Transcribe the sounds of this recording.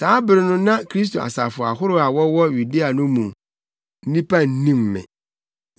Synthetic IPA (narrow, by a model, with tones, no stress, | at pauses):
saː˨˦bɪ˨ɾɪ˦nʊ̃˦nã˦kʰɾi˦s̬tʰo˨a̰˨sa̰˨fʊ˨a̰˨ɦʊ˦ɾʊ˦a˨wɔ˦wɔ˦ju˨di˦a˨nʊ̃˦mũ˨m | n̩˦nĩ˦pʰa˦n̩˦nĩ˦mːɪ̰̃˨